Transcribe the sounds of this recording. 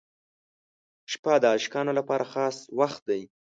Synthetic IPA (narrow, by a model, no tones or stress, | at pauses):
ʃpad̪əɑʃkɑnolapɑɾaxɑswaxt̪̚d̪aj